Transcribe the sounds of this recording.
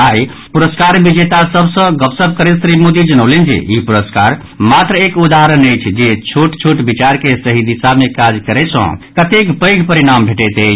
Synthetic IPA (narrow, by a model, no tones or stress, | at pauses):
aj | puɾəskaɾbid͡ʒet̪asəbʱsə̃ɡəpsəb̚kəɾesɾimod̪id͡ʒənəʊlend͡ʒḛipuɾəska̰ɾ | mat̪ɾəekud̪aɦɾənəjt͡ʃʰd͡ʒet͡ʃʰuʈt͡ʃʰuʈbit͡ʃaɾkesəɦid̪isamekad͡ʒkəɾɛt͡ʃʰə̰̃kət̪ekbəjɡʱpəɾiɽ̃ambʱeʈɛt̪ət͡ʃʰ